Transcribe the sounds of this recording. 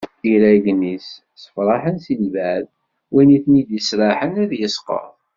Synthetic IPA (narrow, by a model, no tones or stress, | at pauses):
iɾæɡnis | sə̥fɾˤɑħənsilvæð | wæniθnid̪isɾˤɑħənæðjəsqɑ̰ðˤ